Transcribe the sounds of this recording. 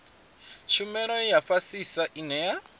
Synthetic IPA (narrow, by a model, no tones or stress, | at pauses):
t͡ʃʰumɛɺɔjaɸasisaʔinɛja